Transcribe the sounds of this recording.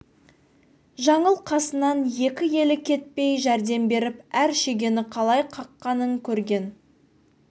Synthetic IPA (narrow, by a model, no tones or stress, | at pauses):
ʒɑɴəlˠqʰɑsənɑnje̞kʲɪje̞lɪkʲʰe̞t̪̚pe̞jʒæɾd̪e̞mbe̞ɾɪpæɾʃe̞ɡʲe̞nɪqʰɑlˠɑjqʰɑqːɑnəŋkʲʰɵɾɡʲe̞n